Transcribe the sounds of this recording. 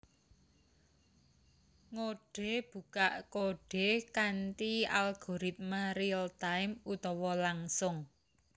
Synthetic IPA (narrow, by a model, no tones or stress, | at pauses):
ŋoɖ̥e̤b̥ukaʔkoɖ̥e̤kant̪ia̰lɡ̥o̤ɾit̪̚maɾiəlt̪aɪmut̪ɔwɔlaŋsʊŋ